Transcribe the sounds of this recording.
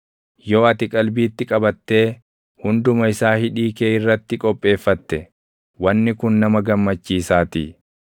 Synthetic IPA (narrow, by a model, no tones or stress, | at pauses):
joːɐt̪ɪkʼɐlbiːt̪ːɪkʼɐbɐt̪ːe̞ː | hʊnd̪ʊmɐɪsaːhɪᶑiːkeːɪrːɐt̪ːɪkʼɔpʼːe̞ːfːɐt̪ːɛ | wɐnːɪkʊnnɐmɐɡɐmːɐt͡ʃːiːsaːt̪ḭː